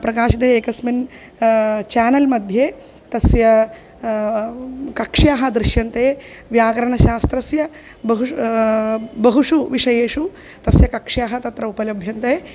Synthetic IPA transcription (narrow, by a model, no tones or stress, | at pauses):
pɾɐkaːʃit̪eːeːkɐsmin | t͡ʃaːnɐlmɐd̪ʱjeː | t̪ɐsjɐ | kɐkʂjaːɦɐd̪ɾɪʃjɐnt̪eːʋjaːɡɐɾɐɳɐʃaːst̪ɾɐsjɐ | bɐɦu | bɐɦuʂuʋiʂɐjeːʂu | t̪ɐsjɐkɐkʂjaːɦɐt̪ɐt̪ɾɐupɐlɐbʱjɐnt̪eː